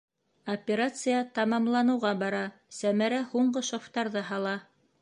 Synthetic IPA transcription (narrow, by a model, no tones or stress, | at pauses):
opʲeɾat̪sɨjɑt̪ɑmɑmlˠɑnɤ̆wʁɑbɑɾɑsæmæɾæhuɴɢɤʃoft̪ɑɾðɤɦɑlˠɑ